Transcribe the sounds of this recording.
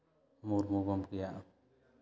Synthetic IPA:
muɾmubɔmɡɛjaʔ

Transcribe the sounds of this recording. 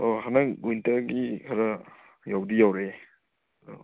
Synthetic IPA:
oɦanaŋwintɐɾɡikʰaɾa | jawdijawɾe

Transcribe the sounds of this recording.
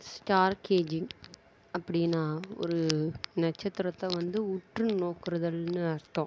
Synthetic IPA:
sʈaːɾkeːd͡ʒɪŋ | ɐpːɐɽɪnːaːɔ̰ɾɯnɐt͡ʃːɐt̪ːɪɾɐt̪ːɐʋɐnd̪ɯʊʈrɯnoːkɯɾɐðɐlnɯɐɾt̪ːõː

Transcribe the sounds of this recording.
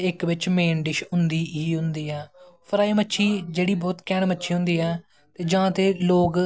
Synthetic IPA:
ɪkʋɪt͡ʃmeːnɖɪʃɦʊnd̪iːiːɦʊ̃nd̪iːɛːpʰəɾaːiːmətːʃʰiːd͡ʒeːɽiːbɔːt̪kɛːɳmətːʃʰiːɦʊ̃nd̪iːɛː | t̪eːd͡ʒãːt̪eːloːɡ

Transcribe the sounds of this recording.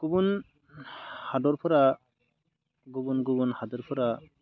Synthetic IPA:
ɡ̥ubun | hadɔɾpʰɔɾa | ɡubunɡubunhadɔɾpʰɔɾa

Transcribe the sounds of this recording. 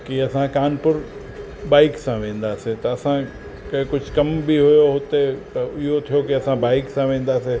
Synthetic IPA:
kiɐsãkaːnpʊɾ | baːɪksãʋẽːn̆d̪aːset̪ɐːsã | kɐ̃kʊd͡ʑʱkɐmbiɦʊjoɦʊt̪et̪ɐɪɦot̪ʰijokiɐsãbaːɪksãʋẽːn̆d̪aːse

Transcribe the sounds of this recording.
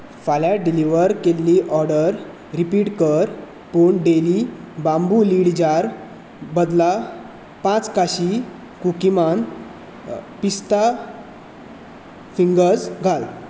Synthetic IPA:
falaɖiliʋəɾkelːiʔɔɾɽəɾ | ɾipiːʈkəɾ | puːɳɖelibambuliɽd͡ʑaɾ | bəd̪la | pãt͡skaɕi | kukiman | pist̪a | fiŋɡəd͡zɡʱal

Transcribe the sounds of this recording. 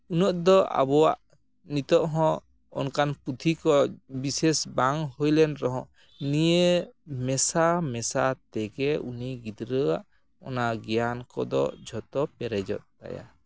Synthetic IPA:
unɔʔd̪ɔʔa̰bɔwa̰ʔ | nit̪ɔʔɦɔ̃ | ɔ̰nkanput̪ʰikɔbisesbaŋhojlɛnɾɔɦɔ̃ʔ | nijemɛsamɛsat̪ɛɡɛuniɡid̪ɾəa̰ʔ | ɔ̰naɡɛjankɔd̪ɔ̰d͡ʒʱɔt̪ɔpɛɾɛd͡ʒɔ̰t̪̚t̪a̰ja̰

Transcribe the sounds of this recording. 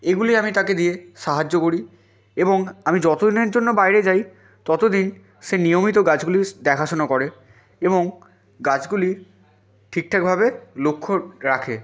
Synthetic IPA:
eɡuliamit̪aked̪ieʃaɦad͡ʑːokoɾi | eboŋamid͡ʑɔt̪od̪ineɾd͡ʑonːobajɾed͡ʑaj | t̪ɔt̪od̪in | ʃenijomit̪̬oɡat͡ɕɡulid̪ɛkʰaʃonokɔɾe | eboŋ | ɡat͡ɕɡuli | ʈʰik̚ʈʰak̚bʱabelokʰːoɾakʰe

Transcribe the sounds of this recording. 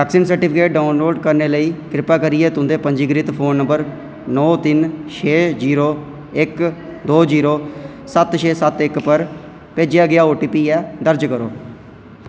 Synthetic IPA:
ɛːksiːnsəɾʈɪpʰɪkeːʈ̚ɖaːʊnloːɖkəɾneːləiːkɾɪpaːkəɾiːɛːt̪ʊ̃nd̪eːpəɲd͡ʒiːɡɾit̪pʰoːnːə̃mbəɾ | nɔːt̪ɪnʃʰeːd͡ʒiːɾoː | ɪk | d̪oːd͡ʒiːɾoː | sət̪ʃʰeːsət̪ɪkpəɾ | peːd͡ʒɪjaːɡɪaːoːʈiːpiːɛːd̪əɾd͡ʒkəɾo̰ː

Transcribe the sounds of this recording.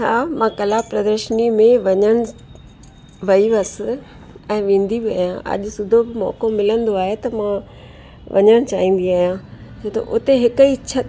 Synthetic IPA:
ɦaːmãkɐlaːpɾɐd̪əɾʃnimẽʋɐɲəɽ̃ | ʋɐiʋɐsɪ̆ | ɛ̃ːʋẽːn̆d̪ʱibɪa̰ːɦjãʔɐ̰ʄʊ̆sʊd̪ʱobɪmɔ̰ːkomɪlə̃nd̪oaːɦet̪ɐmã | ʋɐ̰ɲəɽ̃t͡ɕaːɦĩːn̆d̪iaːɦijãt͡ɕʰoːt̪ɐ̰ʔʊt̪eɦɪkit͡ɕʰɐ

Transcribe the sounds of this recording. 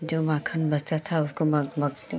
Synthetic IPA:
d͡ʒoːmãːkʰənbɐst̪at̪ʰaʊskommɐ

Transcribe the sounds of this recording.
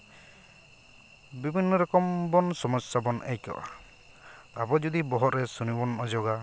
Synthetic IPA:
bibʱinːɔɾɔkɔmbɔnsɔmɔsabɔnḛjkɔ̰ʔa̰ | a̰bɔd͡ʒud̪ibɔɦɔʔ̪ɾɛsunibɔnʔɔd͡ʒɔɡa

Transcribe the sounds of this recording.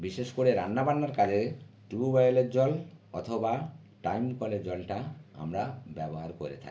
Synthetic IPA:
biʃeʃkoɾeɾanːabanːaɾkad͡ʑʱeʈɾibubajleʈd͡ʑɔlɔ̰t̪ʰoba | ʈajmkɔled͡ʑɔlʈaa̰mɾabɛboɦaɾkoɾḛt̪ʰa̰k

